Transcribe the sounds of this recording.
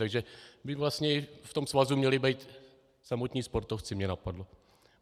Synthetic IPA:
t̪aɡʒɛbɪvlast̪ɲɛft̪omsvazumɲɛlɪbɛjt̪ | samot̪ɲiːspo̞ɾt̪oft͡sɪmɲɛnapadlo

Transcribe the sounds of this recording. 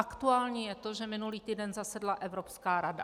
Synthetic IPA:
akt̪uaːlɲiːjɛt̪o̞ʒɛmɪnuliːt̪iːdɛnzasɛdlaʔɛvɾopskaːɾada̰

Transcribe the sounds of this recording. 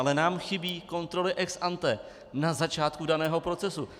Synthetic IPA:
lɛnaːmxɪbiːko̞nt̪ɾo̞lɪʔɛksʔant̪ɛ | nazat͡ʃaːt̪kudanɛːɦo̞pɾo̞t͡sɛsu

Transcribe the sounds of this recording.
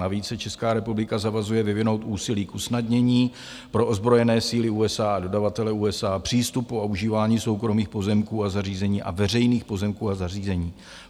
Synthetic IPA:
aviːt͡ssɛt͡ʃɛskaːɾɛpublɪkazavazujɛvɪvɪno̞wt̪ʔuːsɪliːkʔusnadɲɛɲiː | pɾo̞ʔo̞zbɾo̞jɛnɛːsiːlɪuːɛsaado̞davat̪ɛlɛuːɛsaːpr̝̥iːst̪upːoauʒiːvaːɲiːso̞wkɾo̞miːxpo̞zɛmkuːazariːzɛɲiːʔa̰vɛrɛjniːxpo̞zɛmkuːazariːzɛɲiː

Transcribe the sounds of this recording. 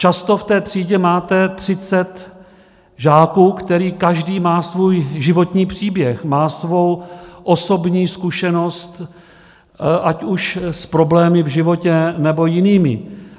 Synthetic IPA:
t͡ʃast̪o̞ft̪ɛːt̪r̝̥iːɟɛmaːt̪ɛt̪r̝̥ɪt͡sɛt̪ | ʒaːkuːkt̪ɛɾiːkaʒdiːmaːsvuːjʒɪvo̞t̪ɲiːpr̝̥iːbjɛxmaːsvo̞wʔo̞so̞bɲiːskuʃɛno̞st̪ | ʔacuʃspɾo̞blɛːmɪvʒɪvo̞cɛnɛbo̞jɪniːmɪ̰

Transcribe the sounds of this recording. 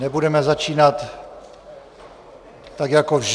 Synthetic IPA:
nɛbudɛmɛzat͡ʃiːnat̪ | aɡjakovʒ

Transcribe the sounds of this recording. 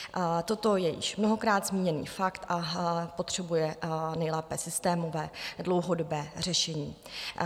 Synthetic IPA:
t̪o̞t̪o̞jɛjɪ̰ʃmnoɦo̞kɾaːd̪zmiːɲɛnḭːfakt̪ʔapot̪r̝̥ɛbujɛnɛjlɛːpɛːsɪst̪ɛːmo̞vɛːdlo̞wɦo̞dobɛːr̝ɛʃɛɲiː

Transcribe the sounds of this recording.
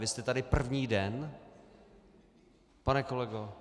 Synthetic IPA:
vɪst̪ɛt̪adɪpr̩vɲiːdɛn | panɛkolɛɡo

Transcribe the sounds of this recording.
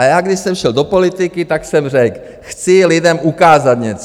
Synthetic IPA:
ajaːɡdɪʃsɛmʃɛldopolɪt̪ɪkɪt̪aksɛmr̝ɛk | xt͡sɪlɪdɛmʔukaːzat̪ɲɛt͡s

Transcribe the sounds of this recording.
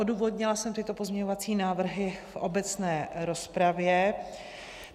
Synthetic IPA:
oduːvo̞d̪ɲɪlasɛmt̪ɪt̪o̞po̞zmɲɛɲo̞vat͡siːnaːvr̩ɦɪfʔo̞bɛt͡snɛːɾo̞spɾavjɛ

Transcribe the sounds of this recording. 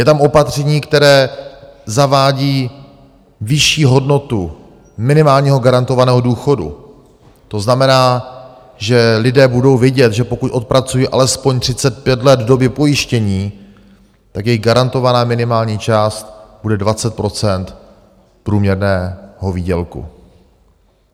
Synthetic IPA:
jɛt̪amo̞pat̪r̝̥ɛɲiːkt̪ɛɾɛː | zavaːɟiː | vɪʃiːɦo̞dno̞t̪u | mɪnɪmaːlɲiːɦo̞ɡaɾant̪o̞vanɛːɦo̞duːxo̞dṵ | t̪o̞znamɛnaː | ʒɛlɪdɛːbudo̞wvɪɟɛt̪ʒɛpo̞kucʔo̞t̪̚pɾat͡sujiːʔa̰lɛspo̞ɲt̪r̥ɪtt͡sɛt̪̚pjɛt̪lɛd̪vdo̞bjɛpo̞jɪʃcɛɲiː | t̪akjɛjɡaɾant̪o̞vanaːmɪnɪmaːlɲiːt͡ʃaːst̪b̥udɛdvat͡sɛt̪̚pɾo̞t͡sɛnt̪ | pɾuːmɲɛɾnɛːɦo̞viːɟɛlkṵ

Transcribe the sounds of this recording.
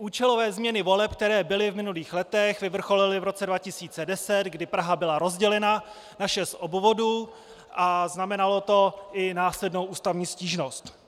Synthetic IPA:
ʔuːt͡ʃɛlo̞vɛːzmɲɛnɪvo̞lɛp̚k̚t̪ɛɾɛːbɪlɪvmɪnuliːxlɛt̪ɛxvɪvr̩xo̞lɪlɪvɾo̞t͡sɛdvacɪsiːt͡sɛdɛsɛt̪ɡdɪpɾaɦabɪlaɾo̞zɟɛlɛna | naʃɛsʔobvo̞duː | ʔaznamɛnalo̞t̪o̞ʔɪnaːslɛdno̞wʔuːst̪avɲiːsciːʒno̞st̪

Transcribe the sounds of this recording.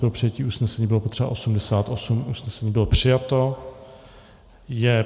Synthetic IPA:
bɪɾlopr̥ɪjaciːʔuːsnɛsɛɲiːbɪlopot̪r̥ɛba̰ʔo̞sumdɛsaːt̪ʔosumʔuːsnɛsɛɲiːbɪlopr̝̥ɪjat̪o̞ | jɛ

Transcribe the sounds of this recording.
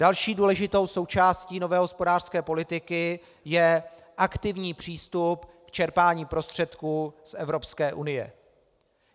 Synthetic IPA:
d̥alʃiːduːlɛʒɪt̪o̞wso̞wt͡ʃaːsciːno̞vɛːɦo̞spo̞daːr̥skɛːpo̞lɪt̪ɪkɪ | jɛ | ʔakt̪ɪvɲiːpr̝̥iːst̪upkt͡ʃɛɾpaːɲiːpɾo̞st̪r̝̥ɛt̪kuːsʔɛvɾo̞pskɛːʔunɪjɛ̰

